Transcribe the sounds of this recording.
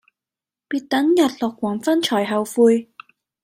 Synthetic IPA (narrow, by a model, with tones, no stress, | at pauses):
piː˨˧t̚t̪ɐ˨˥njɐ˨˩t̚lɔː˨˩kːwaː˨˩nfɐ˥nt͡ʃʰɔː˨˩jɦɐ˨˩wfuː˧j